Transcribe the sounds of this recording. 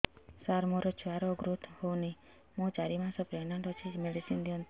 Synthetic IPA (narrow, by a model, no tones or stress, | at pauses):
saɾmoɾɔt͡ʃʰuaɾɔɡɾut̪howni | mõt͡ʃaɾimãsɔpɾenaɳʈɔt͡ʃʰid͡ʒmeɖisind̪iɔnt̪